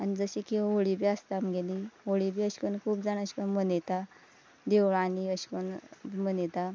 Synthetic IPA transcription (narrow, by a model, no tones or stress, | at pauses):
anid͡zəɕikiʋɦoɭibiast̪aamɡeliɦoɭibiːəɕkənkʰuːbd͡zaɳəɕkənmənet̪a | d̪eʋɭaniəɕkənmənet̪a